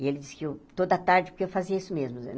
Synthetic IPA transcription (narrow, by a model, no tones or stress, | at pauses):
ɪelɪd͡ʒiskɪewt̪od̪ɐt̪aɾd͡ʒɪpʊɾkeewfaziɐisʊmezmʊ̰